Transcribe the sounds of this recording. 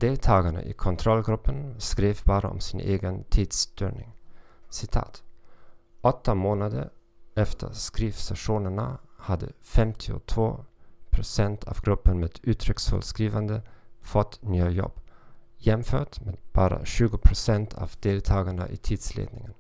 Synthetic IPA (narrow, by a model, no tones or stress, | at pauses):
d̪̥eːlt̪ʰɑːɡaɳə̰ʔɪkʰɔnt̪ʰɾɔlːɡɾɵpːənskɾeːfbɑːɾa̰ɔ̰msɪnʔeːɡənt̪ʰiːd̪sd̪yːɾɳɪŋsɪt̪ʰɑ̰ːt̪ | ʔɔt̪ːamoːnad̪əɾɛft̪ʰə̰ɾskɾiːfsaʂuːnəɳahad̪ːə̰fɛmt̪ʰɪʊ̰t̪ʰvoːpʰɾʊsɛnt̪ʰɑːvɡɾɵpːənmeːd̪̥ʉːt̪ʰɾʏksfœ̰lskɾiːvand̪əfɔt̪ːnyːajɔ̰b̥ːjɛmføːʈmeːd̪b̥ɑːɾa̰ɕʉ̟ːɡʊpʰɾʊsɛnt̪ʰɑ̰vd̪eːlt̪ʰɑːɡaɳə̰ʔɪt̪ʰiːd̪̥slḛːd̪nɪŋən